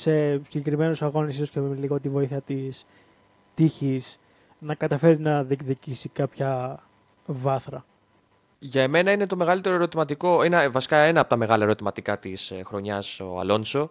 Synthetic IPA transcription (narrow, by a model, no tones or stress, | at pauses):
se̞siɟe̞kɾime̞nusɐɣo̞nisisoscemeiliɣot̪ivo̞iθiɐt̪is | t̪içis | nɐkɐt̪ɐfe̞ɾinɐðikðicisikɐpçɐ | vɐθɾɐ | ʝɐeme̞nɐine̞t̪o̞me̞ɣɐlit̪e̞ɾoeɾo̞t̪imɐt̪iko̞invɐsi̥kɐenɐːpo̞t̪ɐme̞ɣɐlɐe̞ɾo̞t̪imɐt̪ikɐt̪isxɾo̞ɲɐsoɐ̰lo̞nso̞